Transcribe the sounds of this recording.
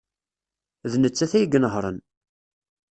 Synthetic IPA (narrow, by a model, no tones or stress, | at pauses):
ðnət͡sːæθæjəɡənəʁɾˤə̰n